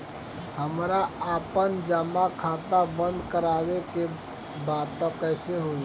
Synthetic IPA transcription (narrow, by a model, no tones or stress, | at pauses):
həmɾaaːpənd͡ʒəmakʰaːt̪abə̃nd̪kəɾaːweke | baːt̪ːɔkːɛːseɦo